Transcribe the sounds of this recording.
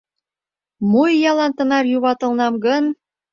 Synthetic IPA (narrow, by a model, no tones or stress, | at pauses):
mujːɑlɑnt̪ənɑrjuβɑt̪ə̆lnɑmɡən